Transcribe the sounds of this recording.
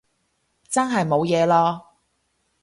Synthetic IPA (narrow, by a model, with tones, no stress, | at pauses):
t͡sɐ˥nɦɐ˨jmo˨˧wjɛː˨˧lɔː˥